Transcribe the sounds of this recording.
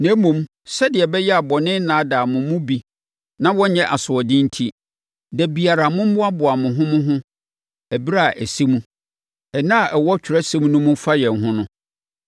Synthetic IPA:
næ̃˨˦mũ˨m | sɛ˦dɪ˨ɛ˨bɛ˦jɛ˦a˨bɔ˨nɪ̃˦nãː˨˦da˨mʊ̃˨mːʊ̃˦bi˦ | nã˦wɔ̃˦ɲɛ̃˦ʔa˨sʊ˨ɔ˨dɪ̃˦n̩˦tʰi˦ | dɛ˨bi˨a˨ɾa˨mʊ̃˦m˦bʊ˦a˦bʊ˨a˨mʊ̃˨ɦʊ̃˦mʊ̃˦ɦʊ̃˦ | æ˨bi˦ɾa˦˨ʔæ˨si˦mũ˦ | ɛ˨nã˦a˨ʔɛ˨wɔ˦t͡ɕᶣʰɪ˨ɾɛ˦sɛ˦m˦nʊ̃˦mʊ̃˦fa˦jɛ̃˨nɦʊ̃˦nʊ̃˦

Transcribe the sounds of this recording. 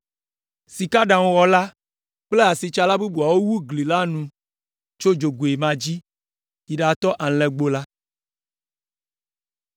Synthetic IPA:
si˨ka˦ɖã˨wwɔ˨la˦ | k͡ple˦a˨si˨t͡ʃa˨la˦bu˦bu˨a˨wo˦wu˦ɡli˨la˦nũ˨ | t͡ʃo˦d͡ʒo˨ɡu˨e˨mã˨d͡ʑi˦ | i˨ɖa˨t̪ɔ˦ʔa˨lɛ˨ɡ͡bo˦la˦

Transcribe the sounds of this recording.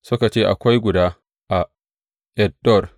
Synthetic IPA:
sʊ˦ka˨t͡ʃeː˦ʔa̰˨kʷa˦jɡʷʊ˨daː˦ | ʔa˨ | ʔɛ˨d̚dɔ˦˨r

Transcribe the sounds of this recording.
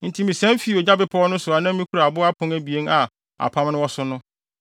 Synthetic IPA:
n̩˨tʰi˨˦mĩ˨sɛ̃˦m˦fi˨˦˨o˨ɲa˦bɪ˨pʰɔ˦ɔ˦nʊ̃˦sʊ˨a˨nã˦m˦mĩ˦kʰu˦ɾa˨bʊ˦a˦pʰʊ̃˦næ˦bi˨e˦na˨ | a̰˨pʰã˦mnʊ̃˦wɔ˦sʊ˦nʊ̃˦

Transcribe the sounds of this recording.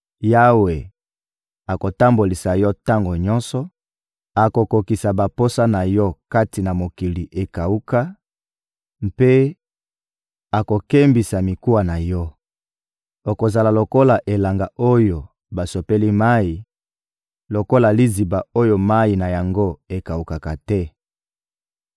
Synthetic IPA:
ja˦we˨ | a˨ko˨ta˦mbo˨li˨sa˨jɔ˦ta˦ŋɡo˨ɲɔ˦nsɔ˨ | a˨ko˨ko˨ki˨sa˨ba˨po˦sa˦na˨jɔ˦ka˦ti˨na˨mo˨ki˨li˨ʔe˨ka˨u˦ka˦ | mpe˦ | a˨ko˨ke˦mbi˨sa˨mi˨ku˦wa˨na˨jɔ˦ | o˨ko˨za˨la˨lo˨ko˦la˨ʔe˨la˨ŋɡa˨o˦jo˨ | ba˨so˨pe˦li˦ma˦i˨ | lo˨ko˦la˨li˦zi˨ba˨o˦jo˦ma˦i˨na˨ja˨ŋɡo˦e˨ka˨u˨ka˨ka˨tɛ˦

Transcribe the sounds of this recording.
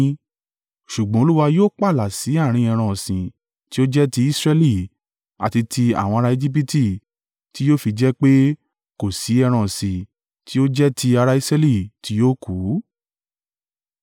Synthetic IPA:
ʃu˨ɡ͡bɔ̃˨˦o˦lu˦wa˧joː˦k͡pa˦˨la˨si˨˦a˦˨ɾ̃ĩ˧ɛ˧ɾ̃ɔ̃˧˨sĩ˨ | ti˦o˦d͡ʒɛ˦ti˧˦i˦sɾɛ˧li˦˨ | a̰˨ti˧tʰi˧a̰˨wɔ̃˧ɾa˧e˧d͡ʒi˦p̬i˦ti˦˨ | ti˨˦joː˦fi˧d͡ʒɛ˦k͡pe˦ | ko˨si˨˦ɛ˧ɾ̃ɔ̃˧˨sĩ˨ | ti˦o˦d͡ʒɛ˦ti˧a˧ɾa˧i˧sɾɛ˦li˦˨ti˨˦joː˦ku˨˦

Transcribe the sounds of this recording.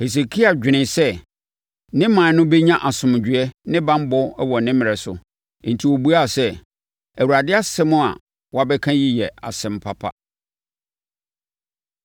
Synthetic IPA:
he˨s̬e˨kʰi˦a˨d͡ʑᶣɪ˨nɪ̃˨sɛ˦ | nɪ̃˦mã˨nʊ̃˦be˦ɲã˦ʔa˨sʊ̃˨m˨d͡ʑᶣɥɛ˦nɪ̃˦bã˦m˦bɔ˦wɔ˨nɪ̃˦mɪ̃˨ɾɛ˨sʊ̰̃˨ | n̩˨tʰi˨wo˨bu˦a˦˨sɛ˦ | æ˨wu˨ɾa˨dɪ˦a˦sɛ̃˦mʊ̃˦a̰˨ | wɔ˦a˨bɛ˦kʰã˦ji˦jɛ˨a̰˨sɛ̃˨m˨pʰa˦pʰa̰˨

